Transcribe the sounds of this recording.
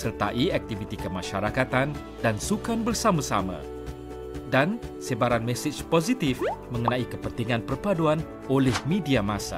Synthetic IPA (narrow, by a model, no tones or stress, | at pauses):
sərt̪a̰ʔiak̚t̪ivit̪ikəmãʃaɾakat̪an | dansukanbərsamãsa̰mã̰ | dansebaɾanmɛsɪt͡ʃpozit̪ifmə̃ŋənãikəpənt̪iŋãnpərpaduan | olɛhmẽdiamãsa̰